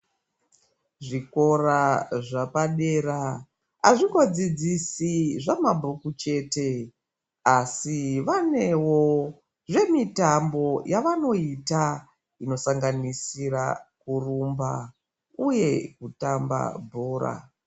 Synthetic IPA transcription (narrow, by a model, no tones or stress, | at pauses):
ʐiko̞raʐapaɗe̞ra | a̰ʐiŋɡo̞d͡zid͡zisiʐamabʱukut͡ʃe̞ːte̞ | asiʋane̞wo̞ | ʐe̞mitambo̞jaʋano̞ita | ino̞saŋɡanisira̰kurumba̰ | uje̞kutamba̰bʱoːɾa̰